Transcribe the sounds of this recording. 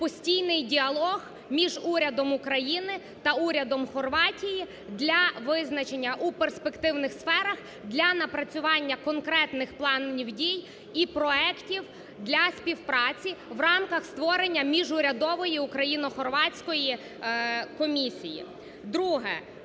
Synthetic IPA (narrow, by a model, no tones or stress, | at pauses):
pɔsʲtʲijnɪjdʲiɐlˠɔɣ | mʲiʒuɾʲɐd̪ɔmʊkɾɐjinɪ | t̪ɐuɾʲɐd̪ɔmxɔrʋɑtʲiji | d̪lʲɐʋɪznɐt͡ʃenʲːɐʔuperspekt̪ɪwnɪxsfɛɾɐx | d̪lʲɐnɐpɾɐt͡sʲʊʋɑnʲːɐkɔnkɾɛt̪nɪxplˠɑnnʲiwdʲij | ipɾɔɛktʲiw | d̪lʲɐspʲiwpɾɑt͡sʲiʋrɑmkɐxst̪ʋɔɾenʲːɐmʲiʒʊɾʲɐd̪ɔʋɔjiukɾɐjinɔxɔrʋɑt͡sʲkɔji | kɔmʲisʲijḭ | d̪ɾuɦɛ̰